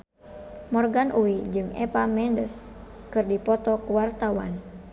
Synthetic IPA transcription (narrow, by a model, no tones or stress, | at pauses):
mɔrɡanʔuwid͡ʒɨŋɛ̰pamɛndəs | kɨrdipɔt̪ɔkuwart̪awa̰n